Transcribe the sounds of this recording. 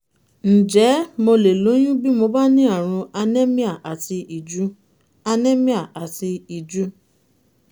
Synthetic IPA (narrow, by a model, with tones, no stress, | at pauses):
n̩˨d͡ʒɛ˨˦mo˧le˨lo˨˦j̃ũ˦bi˦mo˧ba˦nĩ˦a˦˨ɾ̃ũ˧a˧ne˦mĩ˦a˦˨ʔa˨ti˧i˨d͡ʒu˦ | a˧nẽ˦mĩ˦a˦˨ʔa˨ti˧i˨d͡ʒu˨˦